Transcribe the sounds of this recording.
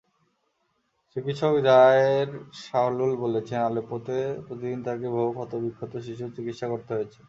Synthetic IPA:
t͡ɕikit̪ʃobid̪ʱaeɾʃaɦlulbolet͡ɕʰenalepot̪epɾot̪id̪int̪ʰakebʱobofʰɔt̪obikʰːot̪oʃiʃ̬ut͡ɕikit̪ʃakoɾt̪eɦoet͡ɕʰe̥

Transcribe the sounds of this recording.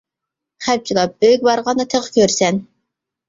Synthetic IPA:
χæp̚t͡ʃʰilˠɑp̚øjyk̚ʲbɑɾʁɑnd̪ɑt̪ʰeʁkʲʰøɾsɛn

